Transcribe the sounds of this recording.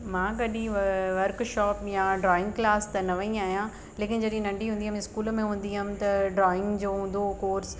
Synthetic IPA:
mãːɡɐɗĩʋɐɾkʃɔːpjãɖɾɔːɪ̃ŋɡklaːst̪ɐnɐʋɐĩaːɦijã | leːkɪnɪd͡ʑɐɗɪĩnɐ̃ɳɖʱiɦũːnd̪iɦəmɪskuːlmẽɦũːn̆d̪iɦɐmɪt̪ɐɖɾɔːɪ̃ŋɡd͡ʑoːɦũːnd̪okoːɾs

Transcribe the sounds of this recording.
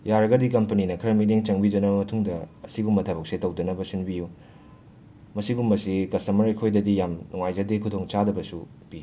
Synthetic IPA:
jaɾɐɡɐdikɐmpɐninɐkʰɐɾɐmileŋt͡ʃɐŋbidɐnɐbɐmɐtʰuŋdɐɐsibumɐtʰɐbɐk̚setɐwdɐnɐbɐsinbiju | mɐsibumɐsikɐsɐmɐɾekʰojdɐdijamnuŋajzɐdekʰudoŋt͡ʃadɐbɐsu | pi

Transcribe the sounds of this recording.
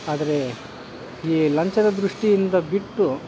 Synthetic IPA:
aːd̪ɐɾe̞ | iːlɐɲt͡ʃɐd̪ɐd̪ɾuʂʈijind̪ɐbiʈːu

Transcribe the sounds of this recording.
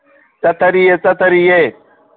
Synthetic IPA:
t͡sɐt̪ʰɐɾijet͡sɐt̪ɐɾije

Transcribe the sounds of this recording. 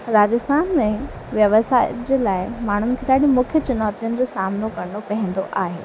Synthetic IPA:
ɾaːd͡ʑəst̪ʰaːnmẽ | ʋjɐʋsaːɪd͡ʑeːlaːɪmaːɳ̤ʊnɪ̆kʰeɗaːɗĩmʊkʰjət͡ɕʊnaːt̪ijʊnɪ̆d͡ʑosaːmnokɐɾnopɐɦɛ̃nd̪o̰ʔaːɦḛː

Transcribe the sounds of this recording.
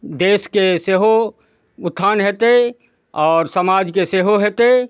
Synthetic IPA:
d̪eːskeseːɦo | ʊt̪ʰːaːnɦeːt̪e | ɔːɾsəmaːd͡ʒkeseːɦoɦeːt̪e

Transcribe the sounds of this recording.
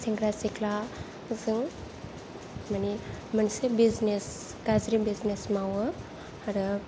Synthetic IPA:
siŋɡɾasikla | zɨŋ | manimənsebiznes | kazɾibiznesmawə | aɾɯ

